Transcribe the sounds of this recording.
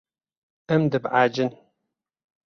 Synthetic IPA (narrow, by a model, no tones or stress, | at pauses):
ɐmdɨbʕaːd͡ʒɪn